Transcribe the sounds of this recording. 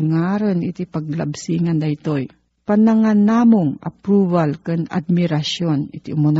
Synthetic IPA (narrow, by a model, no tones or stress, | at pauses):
ŋaɾonʔɪt̪ipɐɡ̚lɐbsiːŋɐnd̪ɐit̪oj | pɐnɐŋanamoŋɐ̰pɾubalkɛna̰d̪̚mɪɾaʃjonɪt̪iʔʊmon